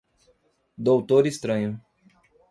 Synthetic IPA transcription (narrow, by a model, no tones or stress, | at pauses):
d̪owt̪oɾist̪ɾɐ̃ɲʊ